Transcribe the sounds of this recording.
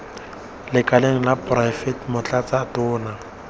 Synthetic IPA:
lɪkʼaleŋ̩laprajfɛtmʊt͡ɬʼat͡sʼatʊːna

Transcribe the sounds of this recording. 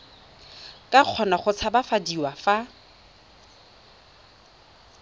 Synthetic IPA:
kʼaq͡χʰɔnaχʊt͡sʰabafadiwafa

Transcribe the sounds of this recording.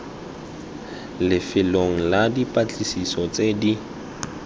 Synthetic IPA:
lɪfɪloŋ̩ladipʼat͡ɬʼisisɔt͡sʼedi

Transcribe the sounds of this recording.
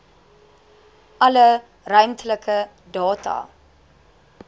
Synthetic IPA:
ʔɐlə | rœɥmtələkʰə | dɑːtɑ̰ː

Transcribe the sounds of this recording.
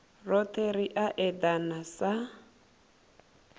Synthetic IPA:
rɔt̪ʰʼeɾiʔaʔɛd̪anasa

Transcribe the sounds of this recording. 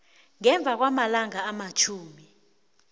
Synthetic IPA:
ŋɛɱb̪vʱak̬wamalaŋaːmat͡ʃʰuːmi

